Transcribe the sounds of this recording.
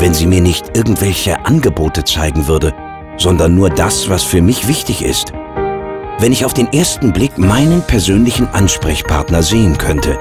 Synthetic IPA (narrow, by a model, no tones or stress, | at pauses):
vɛnziːmiːɐnɪçtʔɪɐɡŋ̩tv̥ɛlçə̰ʔanɡəboːtət͡saɪɡŋ̩vʏɐdə | z̥ɔndɐnːuːɐdasv̥asfyːɐmɪçv̥ɪçtɪçɪ̰st | vɛnɪçaʊfd̥eːnʔeːɐstn̩blɪkmaɪnənpʰɛɐzøːnlɪçn̩ʔanʃpʁ̥ɛçpʰaɐtnɐzeːənkʰœntʰə